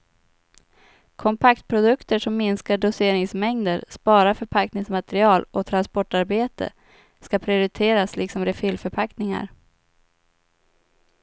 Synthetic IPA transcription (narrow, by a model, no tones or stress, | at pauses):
kʰɔmpʰak̚t̪̚pʰɾʊd̪ɵkt̪əʂɔmːɪnskaɖʊseːɾɪŋsmɛŋd̪əɾspɑːɾafœɾpʰaknɪŋsmat̪ɾɪɑːlɔt̪ʰɾanspɔʈːaɾbeːt̪ə̰ | skapʰɾɪʊɾɪt̪ʰeːɾaslɪksɔmɾɛfylfœɾpʰaknɪŋa̰ɾ